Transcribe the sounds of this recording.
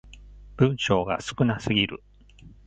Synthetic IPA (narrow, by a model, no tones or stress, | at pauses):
b̥ɯ̟̃ɰ̃ɕo̞ːɡa̰sɨ̥kɯ̟nasɨɡʲiɾɯ̟̰